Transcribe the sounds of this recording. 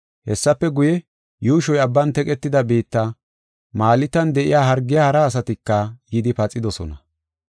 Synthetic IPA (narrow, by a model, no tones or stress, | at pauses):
hɛsːɐpːɛɡʊjɛ | juːʃɔjɐbːɐnt̪ɛkʼɛt̪ːɪd̪ɐbiːt̪ːɐ | maːlɪt̪ːɐnd̪ɛʔɪ̰jaːɦɐɾɡːɪjaːhɐɾɐːs̬ɐt̪ɪkːɐjɪd̪ɪpɐt͡sʼːɪd̪ɔsɔ̰nɐ